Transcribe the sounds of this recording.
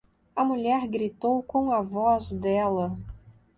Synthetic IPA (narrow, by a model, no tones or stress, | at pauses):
ɐmuʎɛɾɡɾit̪owkõw̃ɐvɔzd̪ɛlɐ